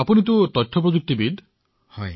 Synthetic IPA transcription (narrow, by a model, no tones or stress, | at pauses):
apunit̪̬ut̪ɔjtʰːɔpɾɔd͡ʒuk̚t̪ibid̪ | hɔj